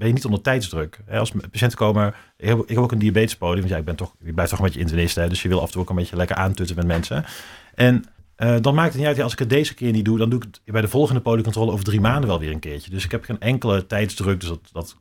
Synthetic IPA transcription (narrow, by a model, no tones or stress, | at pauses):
bɛjənitɔndəɹtɛjtzdrøkɦɛɑlˠspaʃɛntə̥kowəmaːɹ | ɪkɦɛɪkɦɛpoʊwkəndiabeːjtɪ̥spowdiəmʋɑntjaɪɡ̚bɛntɔχjəblɛjftɔχənbejcəɪntənɪstəɦɛdɵsjəʋɪlˠɑ̰fntuːokənmbejcəlɛkə̰ɹʔaːntøtənmɛtmɛnsəʔɛnʔədɑnmaːkɪk̚tətnitœtjalsɪ̥kɦət̚dejzəkɪːɹnit̚dudɑnduɪkbɛjdəvɔlˠχəndəpowdiəkɔ̃ntroːləowvəɹdrimaːndənʋɛlˠʋɪːɹənkɪːɹcədøsɪkɦɛpχeːnʔɛŋkələtɛjtzdrøk̚døsdɑtdɑt